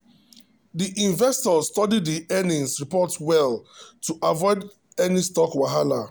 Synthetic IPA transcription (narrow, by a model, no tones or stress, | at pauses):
diʔĩɱvɛstɔstɔdidðiʔɛnĩŋsɹipɔtwɛltuʔavɔɪd | ɛnistɔkwaɦala